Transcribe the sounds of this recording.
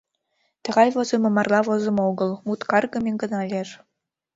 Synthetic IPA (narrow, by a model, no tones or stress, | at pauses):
t̪ə̆ʁɑjβozɤ̆mɤ̆mɑrlˠɑβozɤ̆moɣɤ̆lˠmut̪kɑrɣɤ̆meŋɡɤ̆nɑlʲer